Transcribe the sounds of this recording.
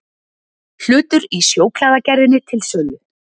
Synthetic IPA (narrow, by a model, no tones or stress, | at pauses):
l̥ʏːt̪ʏɾisjoːwkl̥aːðacɛɾðɪnːɪt̪ʰɪlsœɣʏ